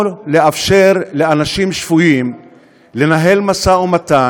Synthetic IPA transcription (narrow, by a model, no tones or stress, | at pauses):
lleafʃeʁleanaʃimʃv̥ujim | le̞naɦe̞lmasaumat̪a